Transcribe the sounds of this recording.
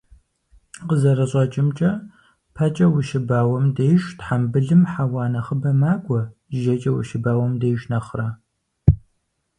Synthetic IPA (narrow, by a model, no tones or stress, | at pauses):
qəzɐɾɐɕʼɐt͡ʃʼɪmt͡ʃʼɐ | pʰɐt͡ʃʼɐwʊʃɪbaːwɐmdeːjʃtħambɨɮɨmħawaːnɐχəbɐmaːkʷʼɔʒɐt͡ʃʼɐwʊ̰ʃɪbaːwɔmdeːʒnɐχra